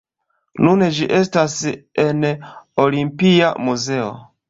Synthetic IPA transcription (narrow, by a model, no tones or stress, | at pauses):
nuned͡ʒiʔe̞stasenolimpiamuze̞o̰